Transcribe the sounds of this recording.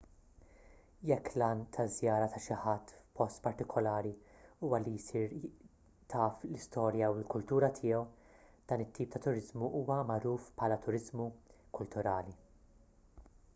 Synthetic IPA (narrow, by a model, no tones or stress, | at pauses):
jɛkːlɐːnt̪ʰɐzjɐːɾɐt̪ɐʃɪħɐt̪ːpɔst̪pɐɾt̪ɪkʰɔlɐːɾiuːwɐlijsiːɾ | t̪ʰɐːflɪst̪ɔːɾjɐwɪlkʊlt̪uːɾɐt̪ʰɪːɔw | d̪̥ɐːnɪt̪ːiːp̚t̪ɐt̪ʊɾɪzmuʔuːwɐmɐɾuːfpħɐːlɐt̪ʊɾɪzmukʊlt̪ʊɾɐːli